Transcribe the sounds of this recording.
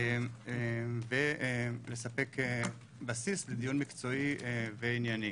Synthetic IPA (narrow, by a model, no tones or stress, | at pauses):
vele̞sape̞ke | basisled̪ijunmikt͡so̞iveinjani